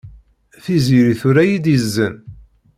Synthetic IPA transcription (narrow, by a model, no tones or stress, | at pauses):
θiziɾiθuɾæjid̪jəzːən